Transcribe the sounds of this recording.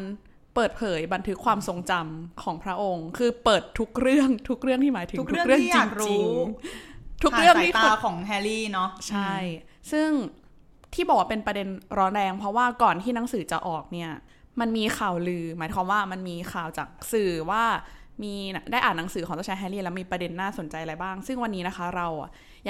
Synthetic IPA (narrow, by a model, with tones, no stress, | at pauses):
a˧n | pɤː˨˩t̪̚pʰɤː˩˦jba˧nt̪ʰɯ˦˥kʰwaː˧mso˨˧ŋt͡ɕa˧mkʰɔː˩˦ŋpʰɾa˦˥ʔo˧ŋkʰɯː˧pɤː˨˩t̪ʰːu˦˥k̚ɾɯ˥˩əŋt̪ʰu˦˥k̚ɾɯ˥˩əŋtʰiː˥˩maː˩˦jt̪ʰŋu˥˩kɾɯ˥˩əŋt͡ɕiː˨˧ŋ˩t͡ɕi˦˧ | t̪ʰu˦˥ɾɯ˥˩əŋ˨˦iː˥a˧kʰɔː˨˩˦ŋɦɛ˧liː˥˩nɔ˦˥t͡ɕʰa˥˩˥jsɯ˥˩ŋ | t̪ʰiː˥˩ɔː˨˩k̚waː˥pe˧npɾa˧de˧nɾɔː˦˥nɾɛː˧ŋpʰɾɔ˦˥waː˥˩kɔː˨˩nt̪ʰiː˥˩na˩˦ŋsɯː˩˦t͡ɕa˨˩ʔɔː˨˩k̚ni˥˩ɐ | ma˧nmiː˧xʰaː˨˩wlɯː˧maː˩˦jkʰwaː˧mwaː˥˩ma˧nmiː˧kʰaː˨˩wt͡ɕaː˨˩k̚sɯː˨˩waː˥˩ | miː˧na˩daː˥˩jʔaː˨˩nːa˩˦ŋsɯː˩˦kɔː˨˩˦ŋt̪a˧˥˩t͡ɕʰɛ˦˥ɦɛ˧˥liː˥˩lɛ˦˥miː˧pɾa˧de˧nːaː˥˩so˨˩˦nt͡ɕa˧jʔa˧ɾa˧jbaː˥˩ŋsɯ˥˩ŋwa˧nːiː˦˥na˦˥kʰa˦˥ɾa˧w | ja˨